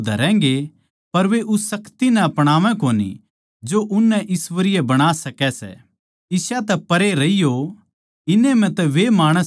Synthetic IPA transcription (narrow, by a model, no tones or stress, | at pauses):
d̪ʱɐ̰ɾɛ̃ːŋɡe | pɐɾʋeʔʊsːɐkt̪inɛɐpɽ̃aːʋɛ̃koːnḭ | d͡ʒoʔʊnːɛʔɪsʋəɾɪjɛbɐɽ̃aːsɐkɛsɛ̰ | ɪsat̪ɛpɐɾeɾɐijo | ɪnemɛ̃t̪ɛʋemaːɽ̃əs